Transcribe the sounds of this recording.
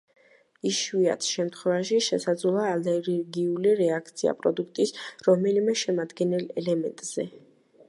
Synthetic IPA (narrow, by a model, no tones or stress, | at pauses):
iʃwia̰t̪ʰʃɛmt̪ʰχwɛvaʃiʃɛsad̪zlˠaːlɛɾɛɾɡiuliɾɛakʰt̪sʰia̰pʼɾɔd̪uk̚ʰt̪ʼisɾɔmɛlimɛʃɛmad̪ɡɛnɛlɛ̰lɛmɛ̰nt̪ʼz̥ɛ